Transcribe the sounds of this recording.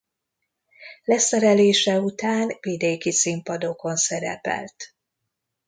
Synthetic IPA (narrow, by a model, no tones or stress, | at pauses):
lɛsɛɾɛleːʃɛut̪aːnvid̪eːkisimpɒd̪o̞ko̞nsɛɾɛ̰pɛ̰lt̪